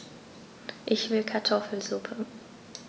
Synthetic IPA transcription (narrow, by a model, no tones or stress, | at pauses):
ʔɪçv̥ɪlkʰaɐtʰɔfl̩zupʰə